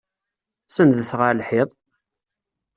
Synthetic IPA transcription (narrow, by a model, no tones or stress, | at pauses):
sənðəθʁalħɪðˤ